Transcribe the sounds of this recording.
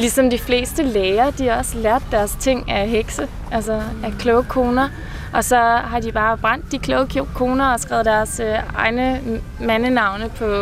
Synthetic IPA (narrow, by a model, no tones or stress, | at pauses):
lisɒ̽md̥ifle̝̰ːsd̥əleːɐd̥ihɑ̈ɒ̽slæɐd̥ːæɐst͡sʰe̝ŋ̰æɦeɡ̥sə | ʔælsɐækʰlɔʊkʰo̝ːnɐ | ʔɒ̽sɒ̽ɦɑ̈dib̥ɑ̈ːb̥ʁɑ̈n̰d̥ːikʰlɔʊkʰokʰo̝ːnɐɒ̽sɡ̥ɛ̰ʊd̥æɐsøɑ̈ɪnə | mænənɑ̈ʊnəpʰɒ̽